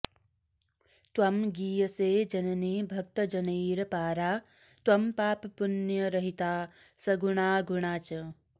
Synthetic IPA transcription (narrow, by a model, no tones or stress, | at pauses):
t̪ʋɐmɡiːjɐseːd͡ʒɐnɐniːbʱɐk̚t̪ɐd͡ʒɐniːɾɐpaːɾaː | t̪wɐmpaːppunjɐɾɐɦit̪aː | sɐɡuɳaːɡuɳaːt͡ʃɐ